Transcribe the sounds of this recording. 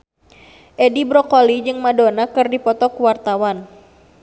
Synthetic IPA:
ʔɛdibɾɔkɔlid͡ʒɨŋmadonakɨrdipɔt̪ɔkuwart̪awan

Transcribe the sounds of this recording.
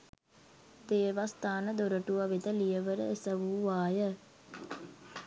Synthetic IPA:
d̪eːʋast̪aːnəd̪oɾəʈuʋaʋed̪əlijəʋəɾə̰esəʋuʋaːjə

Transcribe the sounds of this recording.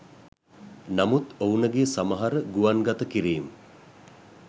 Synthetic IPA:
namut̪ownəɡesaməɦaɾəɡuʋanɡat̪əkiɾiːmə

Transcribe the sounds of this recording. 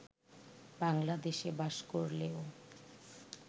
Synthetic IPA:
baŋlad̪eʃebaʃkoɾleo

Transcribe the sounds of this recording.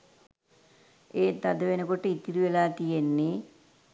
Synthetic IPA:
eːt̪ɐd̪əʋenəkoʈːəit̪ːiɾuʋelaːt̪ijenːe

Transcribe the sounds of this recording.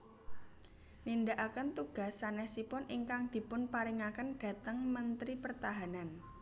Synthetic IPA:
nind̪aʔakənt̪uɡ̥a̤sanɛhsipʊnʔiŋkaŋd̪̥i̤pʊnpaɾiŋakənɖ̥ä̤t̪əŋmənt̪ɾipərt̪aɦanan

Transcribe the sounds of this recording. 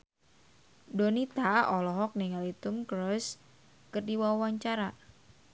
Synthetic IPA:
donit̪aɔlɔɦɔk̚niŋalit̪umkɾɔs | kɨrdiwawaɲt͡ʃaɾa

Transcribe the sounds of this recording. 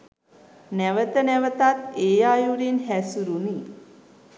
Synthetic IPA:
næʋət̪ənæʋət̪at̪eːjaːjuɾinɦæsuɾuni

